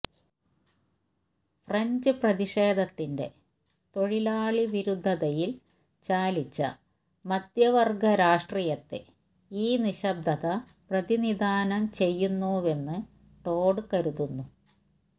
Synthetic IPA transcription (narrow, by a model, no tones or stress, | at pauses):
frɐɲd͡ʑɨprɐðiʂe̞ːd̪ʱɐt̪ːinde̞̰ | t̪o̞ɻilaːɭiʋiɾud̪ʱːɐðɐjil | t͡ɕaːlit͡ɕːɐ̰ | mɐd̪jɐʋɐrɡɐɾaːʂʈriːjɐt̪ːḛ | iːniɕɐb̚d̪ʱɐðɐ | prɐðinid̪aːnɐmt͡ɕe̞jːunːuːe̞nːɨ | ʈo̞ːɖɨkɐɾuðunːu